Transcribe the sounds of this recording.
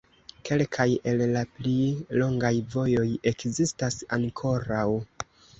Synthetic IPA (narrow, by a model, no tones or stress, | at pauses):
ke̞lkʰaje̞lːaplilo̞ŋɡajvo̞jo̞je̞kzistasaŋkʰo̞ɾaw